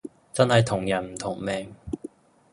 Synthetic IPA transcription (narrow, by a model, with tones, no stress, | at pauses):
t͡sɐ˥nhɐ˨jt̪ʰʊ˨˩ŋjɐ˨˩nm̩˨˩t̪ʰʊ˨˩ŋmɛː˨˧ŋ